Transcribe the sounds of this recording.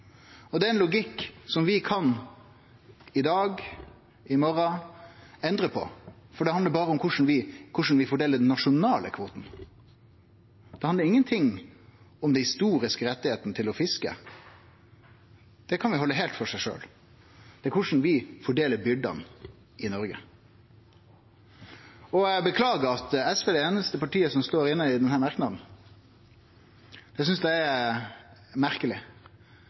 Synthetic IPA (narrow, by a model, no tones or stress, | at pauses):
ɔd̪ɛːɛnlʊɡɪkːsɔmʋɪkʰɑn | ɪd̪ɑːɡ | ɪmɔɾɑ | ɛnd̪ɾəpʰɔ̰fɔɖɛhɑnd̪əɾbɑːɾəʊmkʰʊʂn̩ʋɪkʰʊʂn̩ʋɪfɔɖeːlːəɖɛnːɑʂʊnɑːlə̰kʰʋoːt̪n̩ | d̪̥ɛhɑnd̪əɾɪŋːənt̪ʰɪŋ | ɔmd̪ɛnhɪst̪uːɾɪskəɾɛt̪ːɪheːt̪nət̪ʰɪlɔfɪskə̰ | d̪̥ɛkʰɑnʋɪhɔlːəɦeːlt̪fɔʂæɪʂø̰ːl | d̪̥ɛækʰʊʂn̩ʋɪfɔɖeːləɾbʏɖ̪ɑ̰n | ɪnɔɾɡə | ɔbəkʰlɑːɡəɑt̪ɛsʋeːd̪ɛeːnəst̪əpɑʈiːəsɔmst̪oːɾɪnːəɪd̪ɛnhæːɾmɑɾknɑd̪n̩ | d̪ɛsʏnsd̪ææ | mæʁkəlɪ